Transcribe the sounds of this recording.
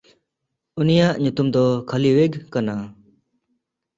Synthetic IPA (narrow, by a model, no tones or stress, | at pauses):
unijaʔɲut̪umd̪ɔkʰaliweɡkana